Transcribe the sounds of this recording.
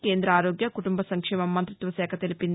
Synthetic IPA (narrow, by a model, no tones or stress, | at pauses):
ke̞ːnd̪ɾɐaːɾoːɡjɐkuʈumbɐsɐŋkʂɛːmɐmːɐnt̪ɾit̪ʋɐsɛːkʰɐt̪elipin